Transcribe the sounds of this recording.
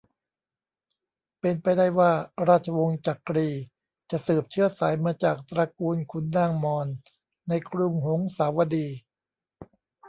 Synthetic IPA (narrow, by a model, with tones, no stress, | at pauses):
pe˧npa˧jda˥˩jwaː˥˩ɾaː˥˩t̪̚t͡ɕʰa˧wo˧ŋt͡ɕa˨˩kɾiː˧ | t͡ɕa˨˩ʔsɯː˨˩p̚t͡ɕʰɯ˥˩ɐsaː˩˦jmaː˧t͡ɕaː˨˩k̚t̪ɾa˧kuː˧nkʰu˧nːaː˥˩ŋmɔː˧nː | a˧jkʰɾu˧mɦo˩˦ŋsaː˩˦wa˧diː˧